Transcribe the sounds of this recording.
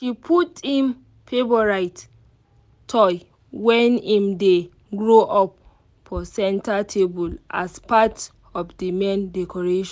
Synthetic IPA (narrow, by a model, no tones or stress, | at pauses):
ʃipʰuthĩm | pʰebɔɹaɪt | tʰɔj | wɛ̃nĩmde | ɡɹoʔɔp | fɔsɛ̃ntatʰebulʔa̰spat | ɔfdimẽndɛkʰɔɹeʃɔ̃